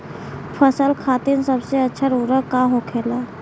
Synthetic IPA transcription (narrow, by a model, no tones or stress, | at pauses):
pʰəsəlkʰat̪insəbseətːʃʰəɾuɾəkːaɦokʰela